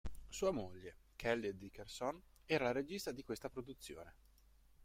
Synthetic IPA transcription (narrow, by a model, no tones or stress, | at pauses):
suːamoʎːekʰɛlːed̪ikersonɛːɾalaɾed͡ʒist̪ad̪ikwest̪apɾod̪ut̪sːjo̰ːne